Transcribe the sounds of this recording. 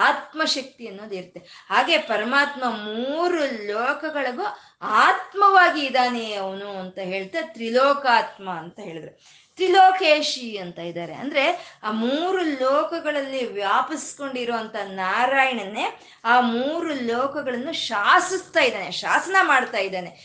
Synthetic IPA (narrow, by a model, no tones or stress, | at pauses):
aːt̪mɐʃɐk̚t̪iɐnːoːd̪iɾɐt̪ːehaːɡe̞pɐɾɐmaːt̪mɐmuːɾulɔːkɐɡɐɭɐɡu | aːt̪mɐʋaːɡiːd̪aːneɐʋɐnuɐnt̪ɐɦe̞ːɭt̪at̪ɾilɔːkaːt̪mɐːnt̪ɐɦe̞ːɭid̪ɐɾe | t̪ɾiloːkeːʃiɐnt̪ɐid̪aːɾḛɐ̰nd̪ɐɾe̞aːmuːɾulɔːkɐɡɐɭɐlːiʋjaːpɐsi̥ko̞ɳɖiɾoːʋɐnt̪ʰɐnaːɾaːjɐɳɐnːe̞ | aːmuːɾulɔːkɐɡɐɭɐnːuʃaːsist̪aːjid̪aːneʃaːsɐnɐmaːɽt̪aːjid̪aːne̞